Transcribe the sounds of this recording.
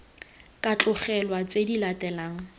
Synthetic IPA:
kʼat͡ɬʼʊχɛlwat͡sedilatʼɛlaːŋ̩

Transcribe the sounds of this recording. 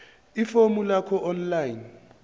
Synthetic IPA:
ifomulakʰɔʔɔnlajin

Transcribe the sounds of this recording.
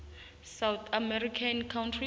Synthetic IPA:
sawt̪ʰamɛɾikʰankʰawntʰri

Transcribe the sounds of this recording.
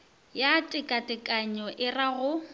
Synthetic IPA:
jatʼɪkʼatʼɪkʼaɲɔʔɪraɣʊ

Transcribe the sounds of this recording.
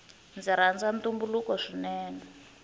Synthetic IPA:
nd͡ziɾand͡zantumbulukɔʂinɛːnɛ

